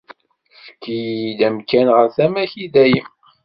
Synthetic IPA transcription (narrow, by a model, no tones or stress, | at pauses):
fə̥kːijd̪æmkænʁəɾθæmæçid̪æj